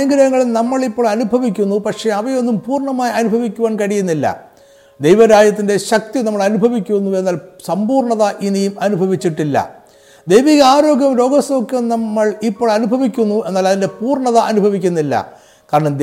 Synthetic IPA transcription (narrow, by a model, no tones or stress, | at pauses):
ɐŋɡɐɾɐŋːɐɭulnɐmːɐɭipːoːɭɐnubʱɐʋikʲːunːupɐkʂe̞ɐʋɐjo̞nːumpuːrɳɐmaːjɐnubʱɐʋikʲːuʋaːɳkɐɽijunːilːɐ̰ | d̪ejʋɐɾaːd͡ʑjɐt̪ːinde̞ɕɐk̚t̪inɐmːɐɭɐnubʱɐʋikʲːunːue̞nːaːlsɐmbuːrɳɐðɐʔinijumɐnubʱɐʋit͡ɕːiʈːilːɐ̰ | d̪ejʋiɣɐaːɾo̞ːɡʲjɐmɾo̞ːɡɐsokːɐmnɐmːɐɭipːo̞ːɭɐnubʱɐʋikʲːunːue̞nːaːlɐðinde̞puːrɳɐðɐʔɐnubʱɐʋikʲːunːilːɐ̰ | kaːɾɐɳɐm